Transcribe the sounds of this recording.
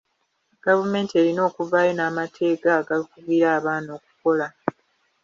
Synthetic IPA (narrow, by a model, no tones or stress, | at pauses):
ɡ̥avume̞ːntie̞ɾino̞ːkuvaːjo̞naːmatʰe̞ːɡaːɡalikuβwiːɾaːβaːno̞ːk̚u̥ko̞la